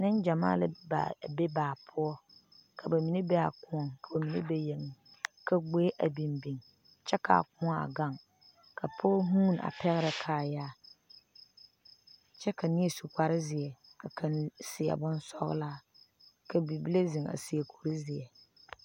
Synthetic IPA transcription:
nɪ̃˦nd͡ʒa˨ma̰ː˦˨la̰˦ba˨be˦baː˨pʰʊ˦ɔ˦ | kʰa˨ba˨mi˨ne˦bɛ˦a˨kʊ˦ɔ˨ŋka˨ba˨mi˨nḛ˦be˦je˨ŋ˨kʰa˦ɡ͡beː˦ʔa˨bi˨mbi˨ŋ | t͡ʃɛ˦ka̰˨kʊ̃˦ɔ̃˦a̰˨ɡa˦ŋ | kʰa˨pʰo˦ɔ˦ɦũː˦˨n˨a̰˨pʰɛ˦ɣɪ˦ɾa˨kʰaː˨jaː˦˨ | t͡ʃɛ˦ka˨nɪ˦e˦˨su˨ka˨ɾɪ˦zɪ˨ɛ˨ka˨kʰa˨nsɪ˨a̰˨bʊ̃˦n˦sɔ̰˦ɣ̰laː˦ | kʰa˨bi˨bi˦le˦zɪ˨ŋa̰˨si˨e˨kʰo˨ɾi˦zɪ˨ɛ˨

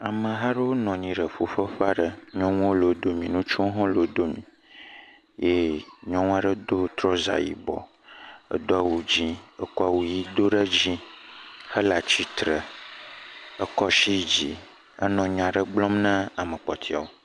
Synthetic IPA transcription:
a˨mə̃˨ɦa˦ɖə˦wo˦nɔ̃˨ɲĩ˨ɖə˨ɸu˨ɸə˦ɸa˦ɖə˦ɲɔ̃˦ŋ̃˦wo˦lo˨˦d̪o˦mĩ˨nũ˦t͡ʃu˦o˦ɦɔ̃˦lo˨˦d̪o˦mḭ̃˨ | je˦ɲɔ̃˦ŋũ˦a˦ɖə˦d̪o˦t̪ɾɔ˦za̰˨jḭ˨bɔ̰˨ | ə̰˦d̪o˦a˨wu˨d͡ʑĩ˦ə˦kɔ˦a˨wu˨ji˦d̪o˦ɖə˦d͡ʑĩ˦hə˦la˨t͡ɕi˦t̪ɾə˨ | ə˦kɔ˦ʃi˦d͡ʑi˨ | ə̰˦nɔ̃˨ɲ˨ã˨ɖə˦ɡ͡blɔ̃˦mnə̃˦a˨mə̃˨k͡pɔ˨t̪ʰi˦a˨wo˨˦

